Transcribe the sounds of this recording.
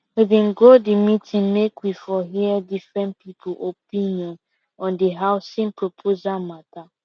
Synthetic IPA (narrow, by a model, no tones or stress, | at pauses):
ibẽn̩ɡodimitʰĩnmekwifɔɦiɛdifɾɛ̃nt̚pipʰulʔopiniɔ̃n | ɔ̃ndiɦaʊsĩnpɾopʰozamata